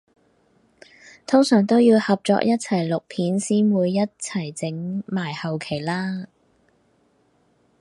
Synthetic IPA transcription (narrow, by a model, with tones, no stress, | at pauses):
t̪ʰʊ˥ŋsœː˨˩ŋt̪o˥wjiː˧whɐ˨p̚t͡sɔ̰ː˧k̚jɐ˥t̚t͡sʰɐ˨˩jlʊ˨k̚pʰiː˨˥nsiː˥nwuː˨˧jːɐ˥t̚t͡sʰɐ˨˩jt͡sɪ˨˥ŋmaː˨˩jhɐ˨wkʰe˨˩jlaː˥